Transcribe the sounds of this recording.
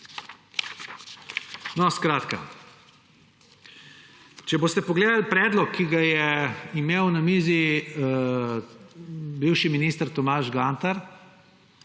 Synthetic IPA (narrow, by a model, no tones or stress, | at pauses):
nɔskɾaːt̪ka̰ | t͡ʃɛboːst̪ɛpɔɡleːd̪alpɾɛːd̪lɔkʰːiɡajɛimeːwnamiːzi | biwʃiminiːst̪əɾt̪ɔmaːʒɡaːnt̪aɾ